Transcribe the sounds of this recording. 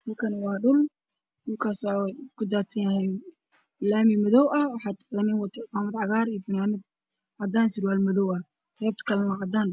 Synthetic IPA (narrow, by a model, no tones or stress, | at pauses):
hɐlkʰɐnwɑːɖʊl | ʊlkʰaːswɑkʰʊd̪aːt̪ɐjɐhɛn | laːmimɐðɔwʔɐwɑħɑːd̪ɣɐnɪnwɑt̪ʰɐqaːmɐd̪ʕɑɣaːɾijfɪnaːmɪd̪̚ | ʕɑd̪aːnsɪɾwaːlmɐðɔwɐ | rɛːb̚t̪kʰɐlɛnɐʕɑd̪aːn